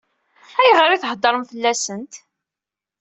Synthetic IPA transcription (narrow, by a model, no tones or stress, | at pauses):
æjʁəɾiθhəd̪ˤːəɾˤəmθəlːæsənt̪